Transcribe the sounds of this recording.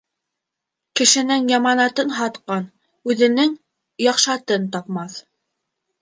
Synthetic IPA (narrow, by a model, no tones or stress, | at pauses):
kɘ̆ʃɘ̆nɘŋjɑmɑnɑt̪ɤnɦɑt̪qɑn | ʉðɘ̆nɘŋ | jɑqʃɑt̪ɤnt̪ɑp̚mɑθ